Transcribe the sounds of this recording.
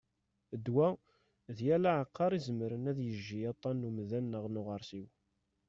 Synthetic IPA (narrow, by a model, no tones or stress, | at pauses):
əd̪wæ | ðjælaʕəqʰːɑɾˤizəmɾənæðjəʒːijɑt̪ˤːɑnːumðænːəʁnʊʁəɾˤsiw